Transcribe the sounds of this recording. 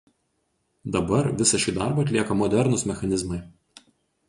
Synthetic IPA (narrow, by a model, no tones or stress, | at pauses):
d̪ɐbɐɾʋʲɪsɐʃʲiːd̪ɑˑɾbɐːɐt̪ʲlʲiɛkɐmɔd̪ʲɛɾnʊsmʲɛxɐnʲɪzmɐɪ